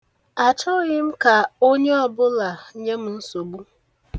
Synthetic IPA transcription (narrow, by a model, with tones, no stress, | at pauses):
a˨t͡ʃɔ˦ɣɪ˦m̩˦ka˨o˦ɲe˦ɔ˨bʊ˦la˨ɲe˦m̩˦n̩˦so˨ɡ͡bu˦